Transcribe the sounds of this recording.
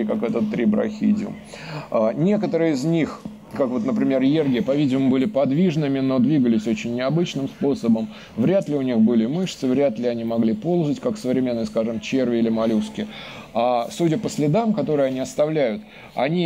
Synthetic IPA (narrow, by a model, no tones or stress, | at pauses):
kakɛt̪ət̪ːɾʲibɾɐ̰xʲḭdʲɪʊ̰m | anʲe̞kət̪əɾɨəɪznʲix | kakvo̞t̪nəpɾʲɪmʲe̞rjerɡʲɪpɐvʲidʲɪmʊbɨlʲɪpɐd̪vʲiʐnɨmʲɪno̞d̪vʲiɡəlʲɪsʲo̞t͡ɕɪnʲːɪɐbɨt͡ɕnɨmspo̞səbəm | vɾʲat̪lʲɪʊnʲixbɨlʲɪmɨʂt̪sɨvɾʲæt̪lʲɪɐnʲimɐɡlʲipo̞lˠzətʲkaksəvɾʲɪmʲe̞nːəjəskaʐɨmt͡ɕe̞rvʲɪilʲɪmɐlʲuskʲɪasudʲəpəsʲlʲɪd̪amkɐt̪o̞ɾɨjɐnʲiɐst̪ɐvlʲæjʊt̪ | ɐ̰nʲi